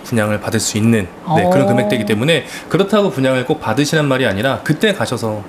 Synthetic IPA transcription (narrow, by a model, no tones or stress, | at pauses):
puɲaŋɯɭpadɯɭs͈uinːɯn | ne̞kɯɾʌnkɯme̞k̚t͈weɡit͈e̞mune̞ | kɯɾʌtʰaɡopuɲaŋɯɭk͈ok̚p͈adɯɕʰinɯnmaɾiaɲiɾakɯt͈e̞kaɕʰʌsʰʌ